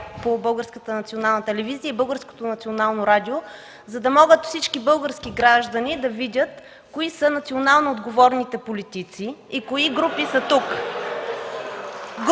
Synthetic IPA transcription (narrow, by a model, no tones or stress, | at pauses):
pobɤlˠɡəɾskət̪ənɐt̪sionalˠnət̪ɛlɛviziəibɤlˠɡəɾsko̥t̪onɐt̪sionalˠnoɾad̪io | zɐd̪ɐmɔɡət̪fsit͡ʃkibɤlˠɡəɾskiɡɾaʒd̪ɐnid̪ɐvidʲət̪ | koisənɐt̪sionalˠnood̪ɡovɔɾnit̪ɛpolit̪it̪siikoiɡɾupisət̪uk